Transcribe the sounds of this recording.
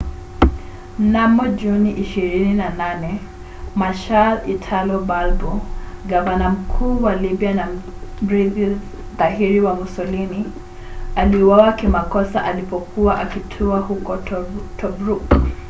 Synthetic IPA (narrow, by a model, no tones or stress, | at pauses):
namɔd͡ʒuniʔiʃiɾininananɛ | maʃalitʰalɔbalbɔɡavanam̩kʰuːwalibianam̩ɾiði | ðaɦiɾiwamusɔlini | aliuwawakimakɔsaʔalipɔkʰuwaʔakitʰuahukɔtʰɔbɾuk